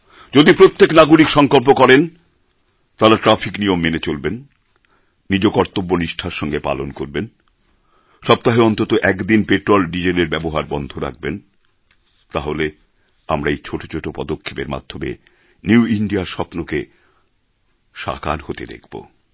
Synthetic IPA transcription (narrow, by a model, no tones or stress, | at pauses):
d͡ʑod̪ipɾot̪ːeknaɡuɾikʃɔŋkolp̬okɔɾen | t̪aɾaʈɾafiknijomːenet͡ɕolbenː | id͡ʑokɔɾt̪obːoniʃʈʰaɾʃɔŋɡepa̰lonkoɾben | ʃɔb̚t̪aɦeɔnt̪ot̪oʔɛkd̪inpeʈɾolɖid͡ʑeleɾbɛboɦaɾbɔnd̪ʱoɾa̰k̚ʰben | t̪aɦole | amɾaejt͡ɕʰoʈo̥t͡ɕʰoʈopɔd̪okʰːepeɾma̰d̪ʱːomḛ | nuwiɳɖiaɾʃɔpnoke | ʃa̰ka̰ɾhot̪ed̪ḛkʰb̥o̰